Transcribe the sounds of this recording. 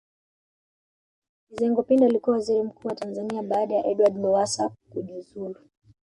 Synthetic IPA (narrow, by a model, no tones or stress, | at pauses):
izɛŋɡɔpindaːlikuawaziɾim̩kuːwatanzaniaɓaːɗajaʔɛɗwadmɔvasakuʄuzulu